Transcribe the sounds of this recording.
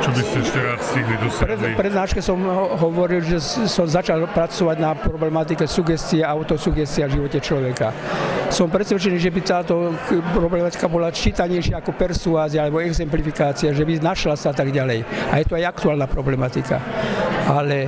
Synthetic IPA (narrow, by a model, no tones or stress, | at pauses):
t͡ʃɔbiscɛʃcɛɾaːt̪stiɦlid̪ɔsɾɛipɾɛd̪naːʃkɛsɔmɦɔʋɔɾilʒɛsɔmzat͡ʃalpɾat͡sɔʋaɟnapɾɔblɛmat̪̬ikɛsuɡɛst̪iɛaʊt̪ɔsuɡɛst̪iavʒiʋɔcɛt͡ʃlɔʋɛka | sɔmpɾɛt̪sʋɛt͡ʃɛniːʒɛbit̪aːt̪ɔpɾɔblɛmat̪i̥kabɔlat͡ʃiːt̪aɲɛjʃɪaakɔpɛɾsuaːziaalɛbɔɛɡzɛmplifikaːt͡siaʒɛbinaʃlasaat̪aɡɟalɛjajɛt̪uajakt̪uaːlnapɾɔblɛmat̪ika̰ʔalɛ